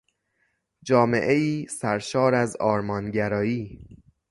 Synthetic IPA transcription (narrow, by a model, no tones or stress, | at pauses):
d͡ʒɒːme̞̰ʔeiːsæɾʃɒːɾæzɒːɾmɒːnɟæɾɒːjiː